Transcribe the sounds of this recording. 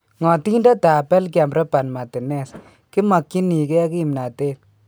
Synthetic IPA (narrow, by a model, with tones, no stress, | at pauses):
ŋɔ˨ti˦nda˦ta˨pɛ˦lk̬ɪ˦a˨mbɾa˦pa˨nma˨tɪ˨nɛ˦s | kɪ˦ma˨kːi˦ni˨kɛ˦ki˦˨mna˨te˦